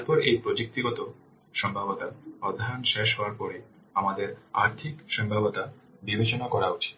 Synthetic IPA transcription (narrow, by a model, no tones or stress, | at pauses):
aɾpɔɾejpɾod͡ʑuk̚t̪iɡɔt̪o | ʃɔmbʱabot̪aɔd̪ʱːaonʃeʃɦɔaɾpɔɾe | amad̪eɾaɾt̪ʰikʃɔmbʱabot̪a | bibet͡ɕonakɔɾaut͡ɕʰi̥t̪